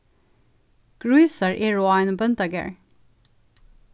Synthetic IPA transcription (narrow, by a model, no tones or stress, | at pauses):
ɡ̥ɹʉːsəɹʔiːɹoːɑɪnbœnt̪əɡɛ̰ɹ